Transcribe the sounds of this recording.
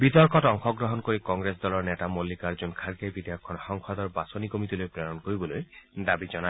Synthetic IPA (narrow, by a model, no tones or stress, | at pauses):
bit̪ɔɾkɔʈɔŋxɔɡɾɔɦɔnkoɾikɔŋɡɾesd̪ɔlɔɾnetamolːikaɾd͡ʒonkʰaɾɡebid̪ejɔkʰːɔnɔxɔŋkʰɔd̪ɔɾbasɔnikomit̪ilojpɾeɾɔnɔkoɾibɔlojd̪abid͡ʒɔna